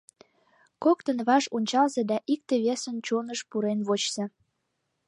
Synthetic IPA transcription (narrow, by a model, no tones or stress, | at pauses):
kokt̪ənβɑʒonʲt͡ɕɑlzed̪ɑʔik̚t̪eβesənt͡ɕonəʃpuɾenβot͡ɕz̥e